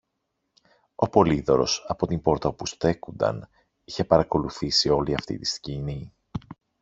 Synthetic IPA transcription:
o̞po̞liðo̞ɾo̞̰sɐpo̞t̪imbo̞ɾt̪ɐpust̪e̞kund̪ɐ̰n | içe̞pɐɾɐko̞luθisio̞liɐft̪ḭt̪i̥scini

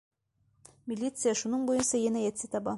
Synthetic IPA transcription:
mʲilʲːit̪sɨjaʃunɤɴbujɤnsɑjenæjæt̪sɘt̪ɑbɑ

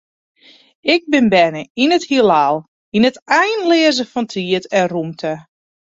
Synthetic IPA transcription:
ɪɡ̚bɪnbɛnəinəthiəlaːlˠ | inətɛjnlɪəzəfɔntʰiətɛnrumtʰə

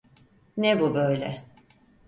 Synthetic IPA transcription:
nɛbubøjlʲɛ̰

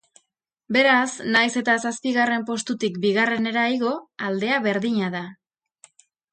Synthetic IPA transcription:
be̞ɾasnajse̞t̪asaspiɣare̞mpo̞st̪ut̪ikbiɣare̞ne̞ɾajɣo̞ald̪e̞aβe̞ɾðiɲaða

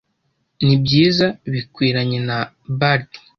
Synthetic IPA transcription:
nibɟiːzaβikwiːɾaɲena | baɾ

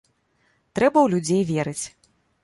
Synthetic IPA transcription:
t̪ɾɛbɐwlʲud͡zʲejvʲɛɾɨt͡sʲ

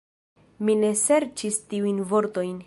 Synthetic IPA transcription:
mine̞se̞ɾt͡ʃistiujnvo̞ɾto̞jn

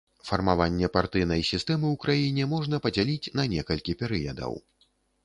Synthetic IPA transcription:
fɐrmavanʲːɛpart̪ɨjnɐjsʲist̪ɛmɨwkɾajinʲɛmɔʐn̪ɐpɐd͡zʲalʲit͡sʲnɐnʲɛkɐlʲkʲipʲɛɾɨjɐd̪ɐ̰w

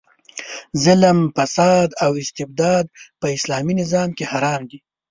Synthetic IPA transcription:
zɪlmfasɑːd̪awɪst̪ɪb̚d̪ɑːd̪̚pəɪslɑːminɪzɑːmkehaɾɑːmd̪i

